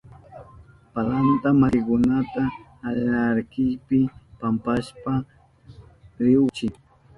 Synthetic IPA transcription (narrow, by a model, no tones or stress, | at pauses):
palant̪amaɾɪkʊnat̪aː | lnaɾkɪjpɪpampaʃpa | ɾɪʊt͡ʃɪ